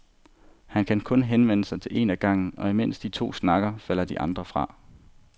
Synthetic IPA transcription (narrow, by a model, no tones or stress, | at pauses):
hænkʰænkʰɔ̽nɦenʋen̰əsɑ̈ɪt͡sʰe̝le̝næɡ̥ɑ̈ŋ̰n̩ɒ̽imen̰sd̥it͡sʰo̝̰ːsnɑ̈ɡ̥ɐfæl̰ɐd̥iʔɑ̈nd̥ʁɐfʁɑ̈